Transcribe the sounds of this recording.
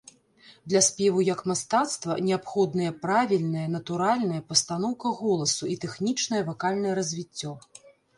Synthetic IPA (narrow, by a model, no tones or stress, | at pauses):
d̪lʲɐsʲpʲɛvujɐkmast̪at̪st̪vɐ̰nʲɛapxɔd̪nɨjɐpɾavʲilʲnɐjɐnɐt̪uɾalʲnɐjɐpɐst̪an̪ɔwkɐɣɔlˠɐsuit̪ɛxnʲit͡ʂnɐjɐvakalʲnɐjɛɾɐzʲvʲit͡sʲːɔ